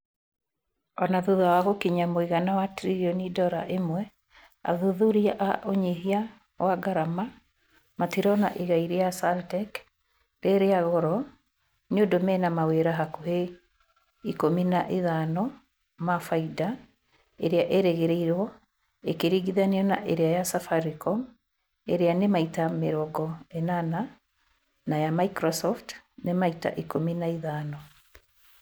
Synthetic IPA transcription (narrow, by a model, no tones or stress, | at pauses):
ɔnaðuðawaɣokiɲamoiɣanawatɾiɔnidɔɾaʔemwɛ | a̰ðuðuɾiaʔaʔoɲeɦia | waɡaɾama | matiɾɔna̰ʔiɣaiɾejasaltɛk | ɾeɾeaɣɔɾɔ | ɲondomɛnamaweɾaɦakoɦe | ikominaʔiðanɔ | mafaida | eɾeaʔeɾeɣeɾeiɾwɔ | ekeɾiɣiðaneɔnaʔeɾeajasafaɾikɔm | eɾeanemaitameɾɔɡɔenana | najamaikɾɔsɔftnemaita̰ʔikominaiðaːnɔ